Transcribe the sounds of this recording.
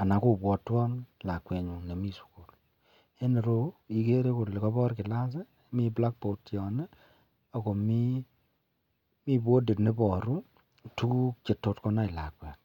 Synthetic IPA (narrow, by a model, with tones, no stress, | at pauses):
a˨na˨ko˦˨bwɔ˨twɔ˦nla˨kwɛ˨ɲu˨ŋne˨mi˦su̥˨ku˨l | e˦ne˨ɾo˦i˨ke˦ɾe˦ko˨le˨kɔ˦bɔ˦ɾkɪ˨la˦s̬e˦ | mi˦bla˦k̚po˨tjɔ˨ne˦ | o˨ko˨mi˦ | mi˦bwo˦de˨tne˦bɔ˨ɾu˦ | tu˦t͡ʃe˨tːo˧tkɔ˧˦na˦i˨la˨kwɛ˨t